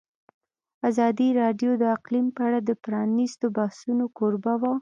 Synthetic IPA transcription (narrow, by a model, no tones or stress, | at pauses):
azɑd̪iɾɑɖjod̪əaqlimpəaɽad̪əpɾɑnist̪obahsunokoɾbawa